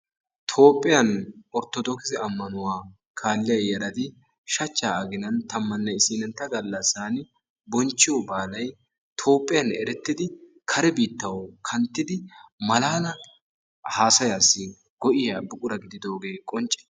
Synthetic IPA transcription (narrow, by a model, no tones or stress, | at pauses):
t̪ʰo̞ːpʼːɪjɐnɔɾt̪ɔd̪ɔkɪzɪɐmːɐnʊwaː | kʰaːlːɪjɐjɛɾɐt̪ɪ | ʃɐt͡ʃːaːɐɡɪnɐnt̪ɐmːɐnːɛɪsiːnɛnt̪ːɐɡɐlːɐsaːnɪ | bɔnt͡ʃːɪjɔbaːlɐj | t̪ʰo̞ːpʼːɪjɐnɛɾɛt̪ːɪd̪ɪ | kʰɐɾɛbiːt̪ːɐwkʰɐnt̪ːɪd̪ɪmɐlaːnɐ | haːsɐjaːsːɪ | ɡ̥ɔʔɪjabʊkʼʊɾɐɡɪd̪ɪd̪o̞ːɡe̞ːkʼɔnt͡ʃʼːɪ̥